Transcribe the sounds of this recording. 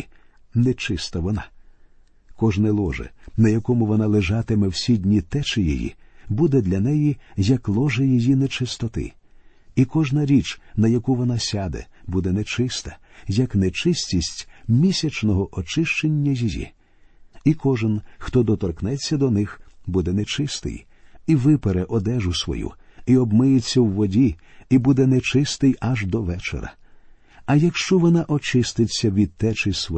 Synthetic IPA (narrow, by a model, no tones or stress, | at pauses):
nɛt͡ʃɪst̪ɐʋɔnɑ̰ | kɔʒnɛlˠɔʒɛ̰nɐjɐkɔmʊʋɔnɑlˠeʒɑt̪ɪmɛwsʲidʲnʲit̪ɛt͡ʃɪjḛjḭbud̪ɛd̪lʲɐnɛjijɐklˠɔʒɪjɔjinɛt͡ʃɪst̪ɔt̪ɪ̰ | ikɔʒnɐɾʲit͡ʃnɐjɐkuʋɔnɑsʲad̪ɛ̰bud̪ɛnɛt͡ʃɪst̪ɐ̥jɐknɛt͡ʃɪsʲtʲisʲtʲmʲisʲɐt͡ʃnɔɦɔʔɔt͡ʃɪʃt͡ʃenʲːɐzʲijʲḭ | ikɔʒɪnxt̪ɔd̪ɔt̪ɔrknɛt͡sʲːɐd̪ɔnɪxbud̪ɛnɛt͡ʃɪst̪ɪ̰j | iʋɪpeɾɛʔɔd̪ɛʒʊsʋɔ̰jṵ | iɔbmɪjet͡sʲːɐwːɔdʲiibud̪ɛnɛt͡ʃɪst̪ɪjɐʒd̪ɔʋɛt͡ʃḛɾɐ̰ | ɐjɐkʃt͡ʃɔʋɔnaʔɔt͡ʃɪst̪ɪt͡sʲːɐʋʲid̪̚t̪ːɛt͡ʃɪsʋɔ